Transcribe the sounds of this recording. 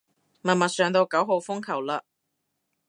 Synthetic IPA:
mɐ˨˩nmɐ˨t̚sœː˨˧ŋt̪o˧wkɐ˨˥wɦo˨˧wfʊ˥ŋkʰɐ˨˩wlaː˧

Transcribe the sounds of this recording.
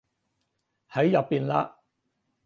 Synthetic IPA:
hɐ˨˥jjɐ˨pːiː˨nla̰ː˧

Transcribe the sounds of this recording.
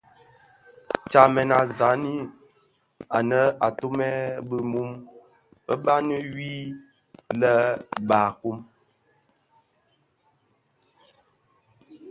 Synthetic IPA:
t͡ʃa˨mɛ˨na˨za˨˦ni˦ | a˨nə˦a˨to˦mɛ˦bə˦mu˦m | ə˦ba˦nə˦wi˦ | lə˦ba˨ku˦m

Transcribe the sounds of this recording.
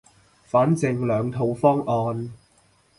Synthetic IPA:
faː˨˥nt͡sɪ˨˧ŋlœː˨˧ŋt̪ʰo˨˧wfɔː˥ŋɔː˧n

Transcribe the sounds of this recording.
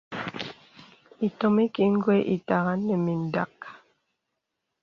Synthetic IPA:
i˨tɔ˨mi˦ki˨ŋ̩˦ɡwe˦ʔi˨ta˨ɣa˦nːɛ˨mi˨n˨da˨k̚

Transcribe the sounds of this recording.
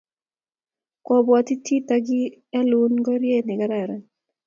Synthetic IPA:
kɔ˨bwɔ˨t̪i˦tʰi˦t̪a˨ɡɪ˦ɛ˦lu˦nɡɔ˦ɾje˦nɪ˨ka˦ɾa˨ɾɛ˨

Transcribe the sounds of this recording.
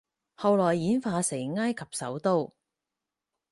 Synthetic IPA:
hɐ˨wlɔː˨˩jːiː˨˥nfaː˧se˨˩jŋaː˥jkʰɐ˨p̚sɐ˨˥wt̪o˥w

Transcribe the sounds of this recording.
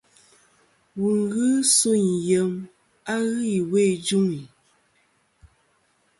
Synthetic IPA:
wu˨ŋ˦ɡɨ˦su˦˨njə˨m | a˦ɣi˦i˨we˦˨d͡ʒu˦ŋi˨

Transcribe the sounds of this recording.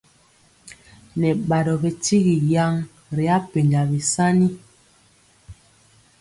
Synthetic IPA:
nɛ˨ɓa˨dɔ˨be˨ti˦ɣi˨ja˦ŋ | ɾi˨a˦pe˨ɲɡa˨bi˨sa˦ni˦

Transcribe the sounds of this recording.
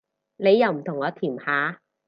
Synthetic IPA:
ne˨˧jːɐ˨˧wm̩˨˩t̪ʰʊ˨˩ŋlɔː˨˥t̪ʰiː˨˩mhaː˨˥

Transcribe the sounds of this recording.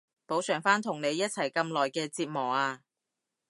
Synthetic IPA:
po˨˥wsœː˨˩ŋfaː˥nt̪ʰʊ˨˩ŋne˨˧jːɐ˥t̚t͡sʰɐ˨˩jkɐ˧mlɔː˨jkɛː˧t͡siː˧t̚mɔː˨˩aː˧

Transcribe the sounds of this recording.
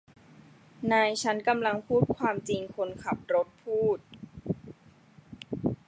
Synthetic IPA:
naː˧jt͡ɕʰa˦˥nka˧mla˧ŋpʰuː˥˩t̪̚kʰwaː˧mt͡ɕi˧ŋkʰo˧nkʰa˨˩p̚ɾo˦˥t̪̚pʰuː˥˩t̪̚

